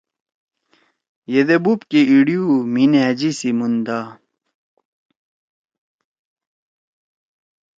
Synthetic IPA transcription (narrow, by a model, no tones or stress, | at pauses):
jed̪ebupkiiɽijumined͡ʑisimund̪a